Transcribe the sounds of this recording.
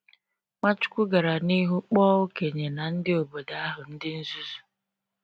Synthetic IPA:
ŋa˦t͡ʃʊ̥˦kʷʊ˦ɡa˨ɾa˨ni˦ɦu˦k͡pɔː˦ʊ˦ke˨ɲe˨na˨n̩˦dɪ˦o˨bo˨da˨a˦ɦʊ˨n̩˦dɪ˦n̩˦zu˦zu˨

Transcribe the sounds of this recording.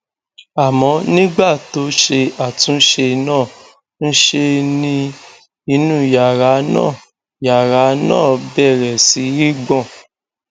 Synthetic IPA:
a˨mɔ̃˨˦nĩ˦ɡ͡ba˦˨to˨˦ʃe˧a˨tũ˨˦ʃe˧nãː˦˨ | n̩˦ʃe˧nĩ˧ | i˧nũ˦ja˨ɾa˨˦nã̰ː˦˨ | ja˨ɾa˨˦nã̰ː˦˨bɛ˦˨ɾɛ˨si˨˦ɾi˦ɡ͡bɔ̃˦˨

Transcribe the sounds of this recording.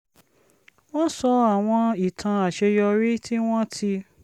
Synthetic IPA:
w̃ɔ̃˦sɔ˧a˨w̃ɔ̃˧i˨tʰã˧a˨ʃɛ˧jɔ˧ɾi˦tʰi˦w̃ɔ̃˦tʰi˧

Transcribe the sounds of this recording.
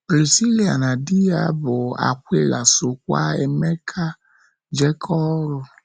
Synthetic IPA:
bɾi˨si˦li˦a̰˨na˨di˦a˨˦bɔ˨a̰˨kʷe˦˨la˨so˨kʷa̰˦ɛ˧mɛ˦kʰa˦ | d͡ʒɛ˦kʰɔ˦ɾu˧˨

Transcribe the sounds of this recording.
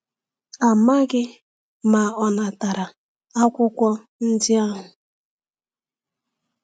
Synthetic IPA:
a˨ma˦ɡɪ˦ | ma˨ɔ˨na˨ta˨ɾa˨ | a˦kʷʊ˦kʷɔ˦ | n̩˦dɪ˦a˦ɦʊ˨

